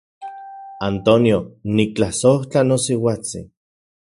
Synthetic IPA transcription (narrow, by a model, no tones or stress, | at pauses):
ant̪onjonik̚t͡ɬasoht͡ɬanosiwat͡sḭ